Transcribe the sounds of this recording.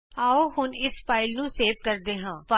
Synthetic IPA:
aːoːɦʊnɪspaːɪlnũːseːʋkəɾd̪eːɦãːpa

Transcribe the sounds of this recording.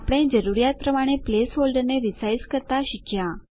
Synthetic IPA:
apɽ̃ẽd͡ʒəɾuɾijat̪̚pɾəmaɽ̃eplesɦolɖəneɾisaiskəɾt̪aʃɪkʰjã

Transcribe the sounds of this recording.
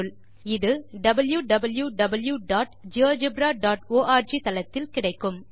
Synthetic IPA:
ɯɭ | ɪðɯɖɐbɐljuɖɐbɐljuɖɐbɐljuɖaːʈd͡ʒɪoːd͡ʒɪbɾaːɖaːʈoːʔaːɾd͡ʒit̪ɐlɐt̪ːɪlkɪɽɐɪkːɯm

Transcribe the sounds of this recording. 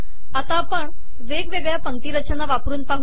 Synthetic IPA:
at̪apəɳ | ʋeɡʋeɡɭjapəŋʈ̪iːɾət͡ɕənaʋapɾuːnpaɦu

